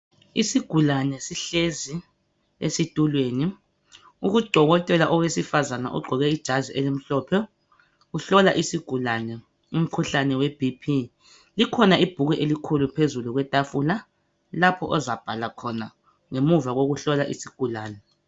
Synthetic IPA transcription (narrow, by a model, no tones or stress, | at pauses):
isiɡ̥ʱulanɛsiɬezi | ḛsitʼulweːni | uɣud̥ʱɔɣɔtʼɛlaʔɔwesifazana̰ʔɔ̰ɡ͡ǃʱɔɣɛid̥ʒ̥ʱaziʔɛlim̩ɬɔːpʰɛ | uɬɔlaʔisiɡ̥ʱulanɛ | um̩kʰuɬanɛwɛb̥ʱipʰi | likʰɔnaib̥ʱuɣɛʔelikʰulupʰezuluɣwɛtʼafula | lapʰɔʔɔzab̥ʱalakʰɔna | ŋemuvaɣoɣuɬɔlaʔisiɡ̥ʱulaːnɛ